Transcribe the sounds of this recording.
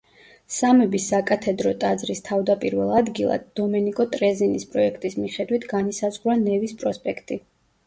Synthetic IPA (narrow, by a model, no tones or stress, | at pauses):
samɛbisakʼat̪ʰɛd̪ɾɔt̪ʼad̪zɾist̪ʰavd̪apʼiɾvɛlˠad̪ɡilˠa̰d̪ːɔmɛnikʼɔt̪ʼɾɛzinispʼɾɔɛkʰt̪ʼismiχɛd̪wit̪ʰɡanisazʁɾanɛvispʼɾɔspʼɛkʰt̪ʼi